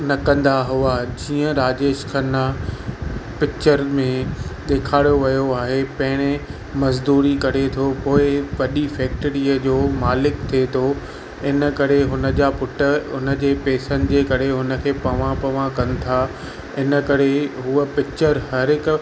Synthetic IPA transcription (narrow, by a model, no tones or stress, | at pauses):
nɐkɐ̃nd̪aɦʊad͡ʑiːə̃ɾaːd͡ʑeːʃkʰɐnːa | pɪkt͡ɕəɾmẽɗ̪eːkʰaːɽijoʋɐjoaːɦepɐ̃ɦɪɽ̃ɪ | mɐzd̪uːɾikɐɾet̪ʰopoːɪʋɐɗifɛːk̚ʈəɾiːəd͡ʑoːmaːlɪkt̪ʰiet̪ʰo | ɪnəkɐɾeɦʊnə̆d͡ʑaːpʊʈə̆ʊnə̆d͡ʑeːpeːsənɪ̆d͡ʑeːkɐɾeɦʊnə̆kʰeːpɐʋãpɐʋãkɐ̃nɪ̆t̪ʰaː | ɪnəkɐɾeɦuəpɪk̚t͡ɕəɾhɐɾɪk